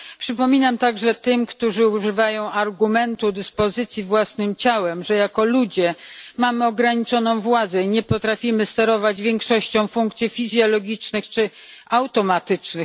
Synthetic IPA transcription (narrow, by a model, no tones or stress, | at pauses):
pʂɘpɔmʲinamt̪aɡʐɛt̪ɘmkt̪uʐɘuʐɘvajɔ̃w̃aɾɡumɛnt̪ud̪ɘspɔzɘt̪sʲjivwasnɘmt͡ɕawɛmʐɛjakɔlud͡ʑɛmamɘɔɡɾaɲit͡ʂɔnɔ̃w̃vwad̪zɛiɲɛpɔt̪ɾafʲimɘst̪ɛɾɔvad͡ʑvʲjɛŋkʂɔɕt͡ɕɔ̃w̃fuŋk̚t̪sʲjifʲizʲjɔlɔɡʲit͡ʂnɘxt͡ʂɘ | awt̪ɔmat̪ɘt͡ʂnɘx